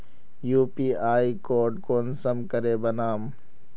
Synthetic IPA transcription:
juːpiːaːikoːɖkoːnsəmkəɾeːbɐnaːm

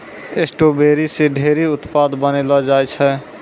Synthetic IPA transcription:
esʈobeɾiseɖʱeɾiʊt̪pad̪bənelɔd͡ʒajt͡ʃʰɛ

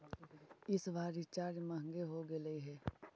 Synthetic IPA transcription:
ɪsʋaːɾit͡ʃaːɾmɐɦə̃ŋɡeɦoɡeləiɦɛː

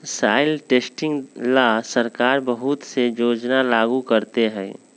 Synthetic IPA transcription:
saːɪlʈeːsʈɪ̃ŋɡlasəɾkaːɾbəɦʊt̪sejoːd͡ʒnalaːɡukəɾt̪eɦɛ̰̃ː

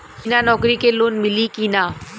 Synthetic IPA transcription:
kinanɔːkɾikeːloːnmɪlikiːnaː

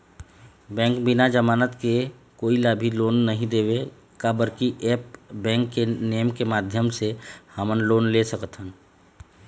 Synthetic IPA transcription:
bɛ̃ːŋkbɪnad͡ʒəmaːnət̪kekoːilaːbʱiloːnːəɦĩd̪eːwe | kabəɾkiʔeːpbɛ̃ːŋkːenejəmkemaːd̪ʱjəmsehəmənloːnlesəkət̪ɦən

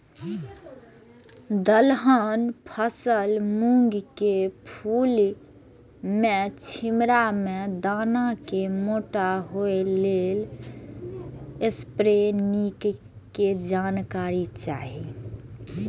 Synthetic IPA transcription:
d̪əlɦənpʰəsəlmuŋɡkepʰul | met͡ʃʰimɾamed̪anakemoʈaɦoelel | espɾenikked͡ʒankaɾit͡ʃaɦi

